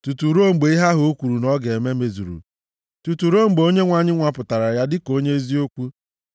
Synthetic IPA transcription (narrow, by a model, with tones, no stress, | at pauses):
tu˨tu˨ɾo˦˨ŋ͡m̩˨ɡ͡be˨i˦ɦa˦ɦo˦kʷu˨ɾu˨nɔ˦ɡe˨me˦me˨zu˨ɾṵ˨ | tu˨tu˨ɾo˦˨ŋ͡m̩˨ɡ͡bo˦ɲe˦ŋʷa˦ɲɪ˦ŋʷa˨pʊ˨ta˨ɾa˨ja˦dɪ˦ko˦ɲe˦e˦zi˦o˦ku˦